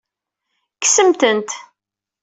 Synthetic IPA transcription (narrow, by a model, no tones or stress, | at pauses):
ksəmt̪ənt̪